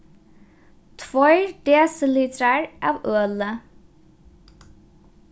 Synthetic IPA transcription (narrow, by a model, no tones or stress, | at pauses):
t̪ʰʋɔʏɖ̪eːsəliːt̪ʰəɾəɹʔɑːʋøːlə